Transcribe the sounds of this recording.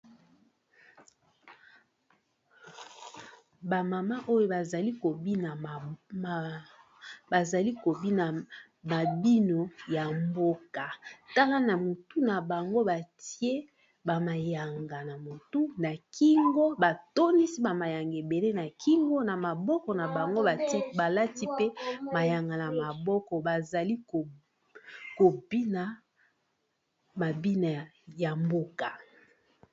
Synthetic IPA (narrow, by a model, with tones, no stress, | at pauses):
ba˨ma˨ma˦ʔo˦jo˦ba˨za˨li˦ko˨bi˦na˨ | ba˨za˨li˦ko˨bi˦na˨ | ma˨bi˦no˨ja˨mbo˦ka˨ta˦ka˦na˨mo˨tu˦na˨ba˨ŋɡo˦ba˨ti˦e˦ | ba˨ma˨ja˨ŋɡa˨na˨mo˨tu˦na˨kʰi˦ŋɡo˦ba˨to˦ni˦si˦ba˨ma˨ja˨ŋɡe˨be˨le˦na˨kʰi˦ŋɡo˦na˨ma˨bɔ˦kɔ˨na˨ba˨ŋɡo˦a˨ti˦ba˨la˦ti˦pe˦ma˨ja˨ŋɡa˨na˨ma˨bɔ˦kɔ˨ba˨za˨li˦ko˨ | ko˨bi˦na˨ | ma˨bi˦na˨ | ja˨mbo˦ka˨